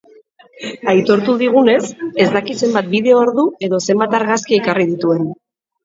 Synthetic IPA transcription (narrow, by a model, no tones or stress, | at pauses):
ajt̪o̞ɾt̪uðiɣ̞une̞se̞zd̪akise̞mbat̪̚biðe̞ooɾðue̞ðo̞se̞mbat̪aɾɣaskiekariðit̪ue̞n